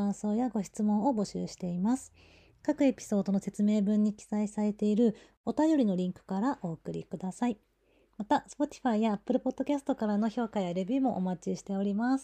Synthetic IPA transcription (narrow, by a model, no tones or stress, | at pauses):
ãso̞ːjaɡo̞ɕi̥t͡sɨmõ̞ɰ̃o̞bo̞ɕɨ̰ːɕi̥t̪e̞imasɨ̥ | kakɯ̟e̞pʲi̥so̞ːd̪o̞nose̞t͡sɨme̞ːbɯ̟̃ɲ̟ːikʲi̥saisaɾe̞t̪e̞iɾɯ̟ | o̞t̪ajo̞ɾʲino̞ɾʲĩŋkɯ̟̥kaɾaʔo̞ːkɯ̟ɾʲḭkɯ̟d̪asai | mat̪asɨ̥po̞t̪ʲi̥ɸaijaːpːɯ̟ɾɯ̟po̞d̪̥ːo̞kʲasɨ̥t̪o̞kaɾano̞ço̞ːkajaɾe̞bʲiːmo̞ʔomat͡ɕiɕi̥t̪e̞o̞ɾʲimasɨ̥